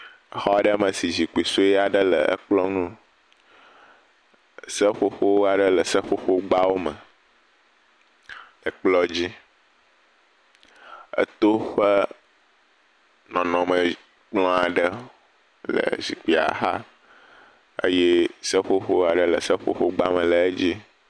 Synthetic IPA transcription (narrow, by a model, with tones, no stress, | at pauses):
ə˦xɔ˦a˦ɖə˦mə̃˨si˨zi˨k͡pi˨so˦jɛ˦a˨ɖə˦lə̰˨ʔə̰˦k͡plɔ˦nũ˦ | sə˦ɸo˦ɸo˦wa˨ɖə˦lə˨sə˦ɸo˦ɸo˦ɡ͡ba˦wo˦mə̃˨ | ə˨k͡plɔ˦d͡ʑi˦ | ə̰˦t̪o˦ɸə˦ | nɔ̃˨nɔ̃˨mə˨ | k͡plɔ̃˦a˨ɖə˦ | lə̰˨zi˨k͡pi˨a̰˨ɦa˦ | ə̰˦je˦sə˦xo˦xo˦a˨ɖə˦lə˨sə˦ɸo̰˦xo˦ɡ͡ba˦mə̃˨lə˨e˦d͡ʑi˦